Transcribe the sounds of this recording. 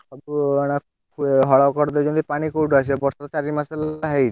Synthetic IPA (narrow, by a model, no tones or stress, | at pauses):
kʰɔbña | kʰueɦɔɭaokɔɾd̪ed͡ʒɔnd̪ipaɽ̃ikowʈas̬ebɔɾsɔt̪ɔt͡ʃaɾimasalɦej